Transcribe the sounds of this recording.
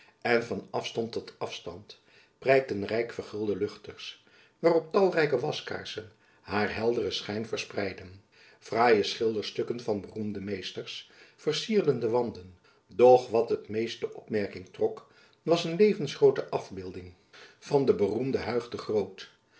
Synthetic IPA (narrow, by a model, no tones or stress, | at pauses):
ɛnvɑnɑfstɑntːɔtɑfstɑ̰nt | prɛjk̚tənrɛjkfəɹχɪlˠdəlɵχtəɹs | ʋaːrɔp̚tɑlˠrɛjkəʋɑska̰ːɹsən | ɦaːɹɦɛlˠdərəsχɛjnvəɹsprɛjdən | v̥raːjəsχɪlˠdəɹstɵkənvɑnbərumdəmejstəɹsfəɹsiːɹdəndəʋɑndən | dɔχʋɑtɦətmejstəʔɔpmɛɹkɪŋtrɔk | ʋɑsənlejvənsχrowtəʔɑvbɪlˠdɪŋ | v̥ɑndəbərumdəɦœɥχdəχrowt